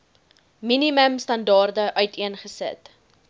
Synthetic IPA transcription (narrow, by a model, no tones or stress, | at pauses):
miniməmstɐndɑːrdəʔœɥtiənχəsə̰t